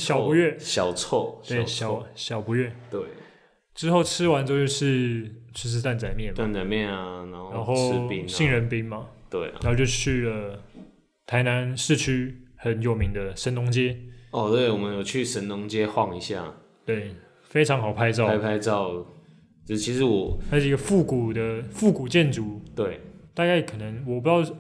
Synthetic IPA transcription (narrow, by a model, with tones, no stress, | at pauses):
ɕjɑ˨˩ʊpu˧˦ɥɛ˥˨ɕjɑ˨˩ʊt͡sʰɔ˥˧we˥˨˩ɪɕɑ˨˦˥ɕjɑ˨˩ʊpu˧˦ɥɛ˥˩t̪we˥˩ɪ | ʈ͡ʂɻ̩˥xo˥˩ʊʈ͡ʂʰɻ̩˥wa˧˦nt͡ɕo˥ʊo˥˧ʂɻ̩˥˧t͡ɕʰo˥˧ʂ̬ɻ̩˥˧t̪a˥˩nt͡sa˨˩ɪmjɛ˥˨nt̪a˥˨nt͡sa˨ɪmjɛ˥˨na˨na˧˦nho˥na˧˦nxo˥˧ʊ˥pi˦ŋi˥˧˩ŋɻə˧˦npi˦ŋmɐ˨t̪we˥˩ɪ˨˧˦o˥˧t͡ɕo˥˧ʊt͡ɕʰy˥˩ə˩ | t̪ʰa˧˥ɪna˧˦nʂɻ̩˥˧t͡ɕʰy˥xə˨˦njo˨˩ʊmi˧˥ŋd̪ə˧ʂə˧˥nnʊ˧˥ŋt͡ɕjɛ˦˥ɔ˨˧t̪we˥˩ɪwɔ˨˩mə˦njo˨˩ʊt͡ɕʰy˥˨ʂə˦˥nnʊ˧˥ŋt͡ɕjɛ˦xwɑ˥˨ŋi˧˦ɕja̰˥˨ | t̪we˥˩ɪ | fe˥ɪʈ͡ʂʰɑ˧˥ŋxɑ˨˩ʊpʰa˥˧ɪt͡sɑ˥˧a˧pʰa˥˧ɪt͡sɑ˥˨ʊ˨˧ | t͡ɕʰi˧˥ʂɻ̩˧˦wɔ˨˩xʂ̩˥˩˧ɡə˧fu˥˩ku˨˩d̪ə˦fu˥˩ku˨˩t͡ɕjɛ˥˨nʈ͡ʂu˨˩˦t̪we˥˩ɪt̪a˥˧ka˥˩ɪkʰɤ˨˩nə˧˦ŋwɔ˨˩pu˧˥t̪ɑ˥˩ʊ